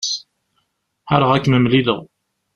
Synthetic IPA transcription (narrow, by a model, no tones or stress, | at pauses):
s | ħaɾəʁækːməmliləʁ